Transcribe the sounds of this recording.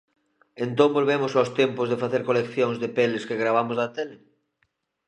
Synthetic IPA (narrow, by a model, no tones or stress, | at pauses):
ent̪õmbolβemosawst̪jɛmpozðefaθeɾkolekθjoŋzðepeleskeɣɾaβ̞amozðɐt̪ele